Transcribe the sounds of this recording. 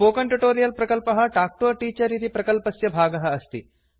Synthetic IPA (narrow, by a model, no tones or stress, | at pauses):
oːkɐɳʈuʈoːɾijɐlpɾɐkɐlpɐɦɐ̆ʈaːk̚ʈoːʈiːt͡ʃɐɾit̪ipɾɐkɐlpɐsjɐbʱaːɡɐɦɐɐst̪ḭ